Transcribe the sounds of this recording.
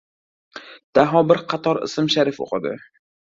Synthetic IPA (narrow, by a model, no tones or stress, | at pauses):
d̪̥aɦɒbɪɾqʰɑt̪ʰɒɾɪ̰sɪmʃaɾɪfo̰qʰɨd̪ɪ̰